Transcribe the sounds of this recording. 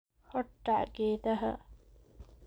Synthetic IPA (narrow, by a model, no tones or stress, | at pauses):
hɔʈːa̰ːɡeːd̪ɐɦə̰